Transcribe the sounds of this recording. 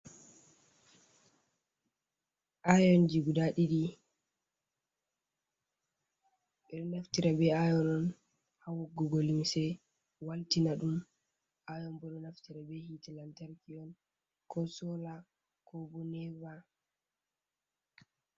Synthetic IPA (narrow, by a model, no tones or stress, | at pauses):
ʔajɔnd͡ʒiɡudaɗiɗi | ɓɛɗɔnaftiɾabɛajɔnɔn | hawɔɡɔɡolimsɛ | waltinaɗum | ʔajɔmbɔɗɔnaftiɾabɛhitilantaɾkiɔn | kʰɔsɔla | kɔbɔnɛva